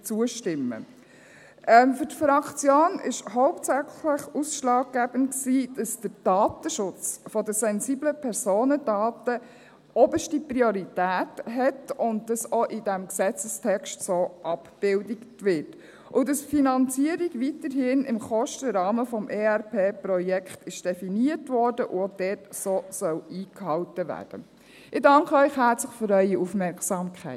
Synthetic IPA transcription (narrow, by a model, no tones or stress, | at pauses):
t͡suəʃtɪmːə̰ | ʔɛmfʏtfɾɑkt͡sjoːnɪʃɦɔʊptsæχləχusʃlɑːk̚ɡ̥æb̥ən̩tksiːd̥ɑsd̥əɾd̥ɑːtəʃʊt͡sfɔdəsɛnzibləpʰɛɾsoːnədɑːtə | ɔbəʃtipriɔɾitæːtɦɛtʊn̚d̥ɑsɔʔɪdæmksɛt͡səstʰɛkʃtsoːʔɑpb̥ɪldɪktʋɪɾt | ʔʊdɑsfinɑnt͡siəɾiɡʋitəɾɦɪnɪmχɔʃtəɾɑːməfɔmʔeːæɾpʰeːprɔjɛkχtɪʃd̥ɛfiniətʋɔːɾdəʔʊod̥ɛːtsoːsœwiːkhɑltəʋæ̰ːd̥ə̰ | ɪdɑŋkəœʏχɦæɾt͡sləχfʏɾœʏiufmɛɾksɑːmkʰæɪ